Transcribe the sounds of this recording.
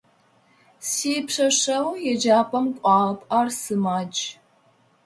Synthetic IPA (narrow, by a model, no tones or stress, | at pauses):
sipʂɐʂɐwjɛd͡ʒaːpʰʼɐmkʷʼɑːlɐpʼaːrsɨmaːt͡ʃʼ